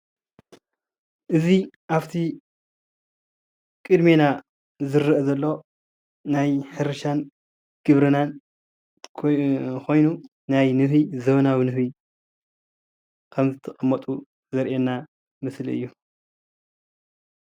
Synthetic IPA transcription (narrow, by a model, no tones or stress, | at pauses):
ʔɨziʔaft̪ʰi | kʼɨd̪mena | zɨɾːɨʔɐzɐlːo̞ | najħɨɾɨʃan | ɡ̥ɨβɾɨnan | kʰo̞jnu | najnɨhizɐβnawinɨhβi | kʰɐmzɨt̪ʰɐkʼɐmːɐt̪ʼu | zɐɾʔenːa | mɨsliɨ̰jːu